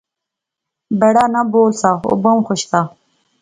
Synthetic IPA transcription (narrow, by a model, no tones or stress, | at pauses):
bɐɽanaboːlsao̰bomxʊɕk̪a